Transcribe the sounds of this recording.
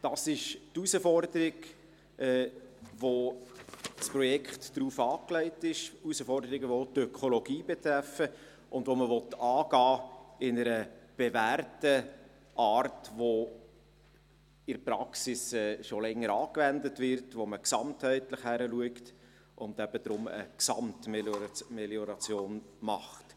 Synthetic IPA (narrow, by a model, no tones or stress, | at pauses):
d̥ɑsɪʃtusəfɔrd̪əɾɪɡ | ʔɛːʋo | spɾrɔjɛkχtd̥ɾuːfɑːklɛɪtɪʃusəfɔrdəɾɪɡəʋot̪œkʰolɔɡiːbɛt̪ɾæfːə | ʔʊndʋoməʋɔtɑːɡ̥ɑːɪnəɾəb̥ɛvæːrtə | ʔɑːrtʋo | ɪrpɾɑksɪsɛːʃolɛŋːəɾɑːkvændətʋɪrtʋoməksɑmthɛɪtləχhæɾəluəkt | ʔʊnd̪æb̥əd̪ɾʊmə̰ksɑmtmɛmɛljɔɾɑt͡sjoːn | mɑχt